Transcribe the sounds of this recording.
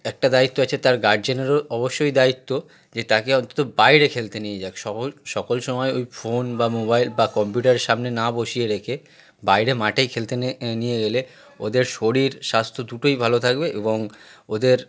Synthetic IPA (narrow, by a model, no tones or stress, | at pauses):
ɛk̚ʈad̪ait̪ːoat͡ɕʰet̪aɾɡaɖ̚d͡ʑeneɾoɔboʃːojd̪ait̪ːo | d͡ʑet̪akeɔnt̪o̥t̪obajɾekʰelt̪enijed͡ʑaeʃɔoʃɔkolʃɔmɔeojfonbamobajlbakɔmpjuʈaɾeʃamnenaboʃijeɾekʰe | bajɾemaʈejkʰelt̪enijeɡele | od̪eɾʃoɽiɾʃast̪ʰod̪uʈojbʱalot̪ʰak̚beʔeboŋod̪eɾ